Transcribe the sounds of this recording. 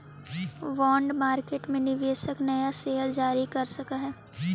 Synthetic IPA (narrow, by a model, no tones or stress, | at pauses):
ʋɔːɳɖmaːɾkeːʈmẽnɪʋeːsəknɐjaseːɦəɾd͡ʒaːɾikɐɾsɐkaɦɛː